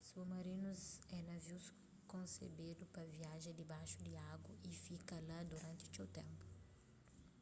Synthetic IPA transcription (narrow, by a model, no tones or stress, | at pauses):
sumɐɾĩnuzɛnɐviws | kõnsḛbid̪upɐviaʒẽd̪ibaʃud̪iaɡwɐifikɐlad̪uɾɐ̃nt̪iut͡ʃewt̪ẽmpu̥